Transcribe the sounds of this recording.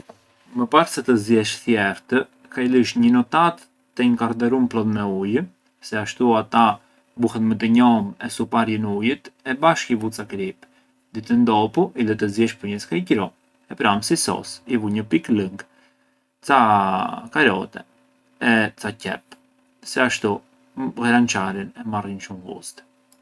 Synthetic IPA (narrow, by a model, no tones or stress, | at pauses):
məpaɾsɛt̪əzjɛʃθjɛɾt̪ə | kailiʃ̬ɲənɔt̪at̪ː | əiŋkaɾd̪ɛɾumplɔt̪mɛujə | sɛaʃt̪uat̪a | buhɛt̪mət̪̬əɲɔmɛsupaɾjənujət̪ɛbaʃkivut͡sakɾip | d̪it̪ənd̪ɔpuʔiðɛt̪əzjɛʃpuɲɛskajɟɾɔ | ɛpɾamsisɔ̰sivuɲəpikləŋɡ | t͡sakaɾɔ̰t̪ɛ̰ | ɛt͡sacɛ̰p̚ | sɛaʃt̪u | ɣɛɾant͡ʃaɾinɛmarinʃumɡṵst̪